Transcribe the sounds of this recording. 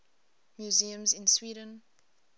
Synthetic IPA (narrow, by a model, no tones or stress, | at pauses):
mjuziə̃mzɪ̃nswiːɾə̃n